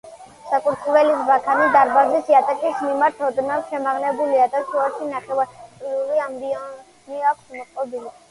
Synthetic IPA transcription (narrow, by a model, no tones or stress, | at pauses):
sakʼuɾt̪ʼvɛlisbakʰanid̪aɾbazisiat̪ʼakʼismimaɾt̪ʰɔd̪nalʃɛmaʁnɛbuliad̪at̪ʰuaʃinaχɛvat̪ʼɾiuliambiɔ | niakʰsmɔqʼɔbili